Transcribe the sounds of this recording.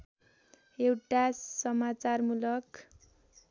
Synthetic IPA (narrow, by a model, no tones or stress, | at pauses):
ewʈasʌmat͡sarmulʌk